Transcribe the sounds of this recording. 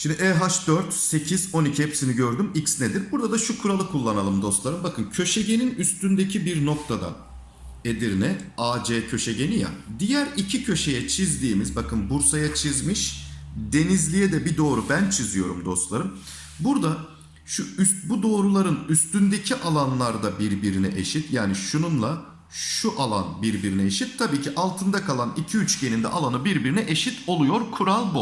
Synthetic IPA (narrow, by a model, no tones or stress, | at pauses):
ʃimd̪iʔɛɦaʃd̪øɾt̪se̞cʰizo̞nicʰihɛpsiniɟø̞ɾd̪ymicsned̪iɾbuɾd̪ad̪aʃukʰuɾalˠɯkʰːulˠːanalˠɯmd̪o̞st̪lˠaɾɯmbakʰɯncʰø̞ʃeɟe̞ninyst̪ynd̪e̞cʰibiɾno̞k̚t̪ʰad̪a̰ | ed̪iɾnɛaːd͡ʒeːcʰø̞ʃeɟe̞nija̰d̪ijæɾicʰicʰø̞ʃe̞jɛt͡ʃʰizd̪iːmizbakʰɯnbuɾsajat͡ʃʰizmɯʃd̪e̞nizlʲijɛd̪ɛbid̪o̞ːɾubænt͡ʃʰizijo̞ɾumd̪o̞st̪lˠaɾɯm | buɾd̪a | ʃuysbud̪o̞ːɾulˠaɾɯnyst̪ynd̪e̞cʰiʔalˠanlˠaɾd̪abiɾbiɾinɛʔe̞ʃit̪jaːniʃununlˠa | ʃuʔalˠanbiɾbiɾinɛeʃit̪ʰːabiːcʰiʔalˠt̪ʰɯnd̪akʰalˠanicʰiyt͡ʃɟe̞nind̪ɛ̰ʔalˠanɯbiɾbiɾinɛʔe̞ʃit̪ʰo̞lˠujo̞ɾkʰuɾalˠbu